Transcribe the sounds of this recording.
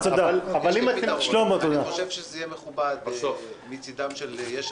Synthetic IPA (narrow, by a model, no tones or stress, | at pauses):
t̪od̪alavalimat̪ʃlomot̪od̪axoʃevʃezejemeχubad̪bsofmit͡sid̪amʃeljeʃ